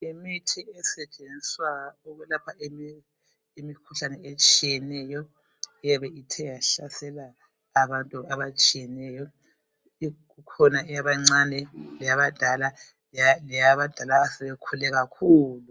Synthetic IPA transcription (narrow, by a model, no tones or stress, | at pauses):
imitʰiɛsɛt͡ʃʼenisswauɣɛlapʰaemi | imikʰuɬanɛet͡ʃʼijɛnɛjɔ | ɛjaβɛʔitʰɛjaɬasɛlaː | βantʼuaβat͡ʃʼijɛnɛjɔ | ɣukʰɔnaʔɛjaβaŋ͡ǀanɛlɛjaβad̥ʱala | lalɛjaβad̥ʱalaːsɛβɛkʰulɛɣakʰuːlu